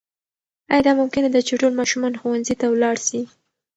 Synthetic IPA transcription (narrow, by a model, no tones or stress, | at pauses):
ɑjɑd̪ɑmʊmkɪnad̪at͡ʃeʈolmɑʃumɑnxowanzit̪awlɑɽʃi